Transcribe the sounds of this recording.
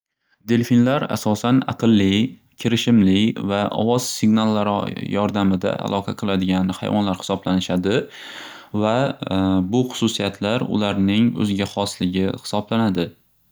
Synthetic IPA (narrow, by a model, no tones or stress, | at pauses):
d̪elfinlaɾa̰sɒsana̰qɨlˠːɪ | kʲʰɪɾɪʃɪmlɪvaʔɒ̰vɒz̥sɪɡnalˠːaɾ̰jɒɾd̪amɪd̪a̰ʔa̰lˠʔˠɒqʰɑqʰɨlˠad̪ɪɡʲannɪha̰jvɒ̰nlaɾhɪ̥sɒblanɪʃad̪ɪ | va | bʊχʊ̥sʊsijat̪ʰlaɾʊ̰laɾnɪŋɵ̰zɪɡʲaχɒslɪɡʲɪhɪ̥sɒblanad̪ɪ